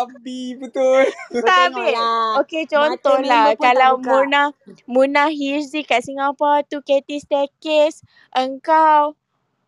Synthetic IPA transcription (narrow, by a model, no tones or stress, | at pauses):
abibət̪ult̪abiʔoket͡ʃɔnt̪ɔnlapkalawmunahmunaɦissikaʔsiŋapat̪uket̪ist̪ɛkes | ʔəŋkaw